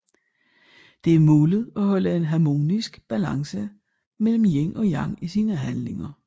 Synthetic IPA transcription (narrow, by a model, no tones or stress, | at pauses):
d̥e̝æɐmoːlð̞̩ˠɒ̽hɒ̽ləe̝nɦɑmo̝̰ːnisɡ̥b̥ælɑ̈ŋsə | mel̰m̩jeŋ̰ʔɒ̽jɑ̈ŋ̰isiːnəɦænle̝ŋɐ